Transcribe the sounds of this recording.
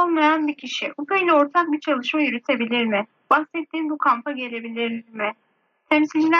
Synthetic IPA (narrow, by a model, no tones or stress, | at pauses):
olˠmajanbicʰiʃiʔupʰejlʲɛo̞ɾt̪ʰak̚bit͡ʃʰalˠɯʃmajyɾyt̪ʰe̞bilʲiɾmɪ | baksɛt̪ːiːnbukʰampʰaɟe̞lʲe̞bilʲiɾmɪ | t̪ʰɛmsilʲd͡ʒilʲæ